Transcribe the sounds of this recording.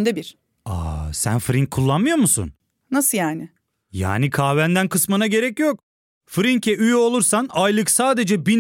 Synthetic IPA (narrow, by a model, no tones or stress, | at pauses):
nd̪ɛbiɾ̥ | a̰sæ̰nfɾiŋkʰːulˠːanmɯjo̞ɾmusṵn | nasɯjaːnɪ | ja̰ːnikʰaːvænd̪ænkʰɯsmanaɟe̞ɾɛcjok̚ | fɾiŋcʰɛʔyjyo̞lˠuɾsanajlˠɯksaːd̪e̞d͡ʒɛbin